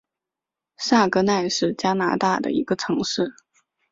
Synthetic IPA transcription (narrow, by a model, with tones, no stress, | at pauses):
sa˥˩kɤ˥na˥˧ɪʂɻ̩˥˩t͡ɕja˥na̰˧˥t̪a˥˩d̪ə̰˩i˧˥ɡ̥ə˧ʈ͡ʂʰɤ˧˥ŋʂɻ̩˥˩